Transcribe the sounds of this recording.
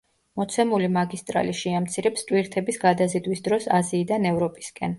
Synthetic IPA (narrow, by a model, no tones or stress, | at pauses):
mɔt̪sʰɛmulimaɡist̪ʼɾa̰liʃiamt̪sʰiɾɛpst̪ʼwiɾt̪ʰɛbisɡad̪azid̪wisd̪ɾɔsaziːd̪anɛvɾɔpʼi̥skʼɛn